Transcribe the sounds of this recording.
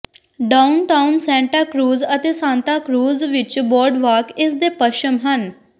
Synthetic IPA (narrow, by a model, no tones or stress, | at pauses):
ɖaːʊnʈaʊnsɛ̃ːɳʈaːkɾuːzət̪eːsãːnt̪aːkɾuːzʋɪt͡ʃbɔːɾɖʋaːkɪsd̪eːpəʃəmɦən